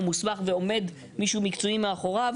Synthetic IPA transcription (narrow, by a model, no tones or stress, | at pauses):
musmaχveo̞me̞d̪ | miʃumikt͡soimeaχo̞ʁav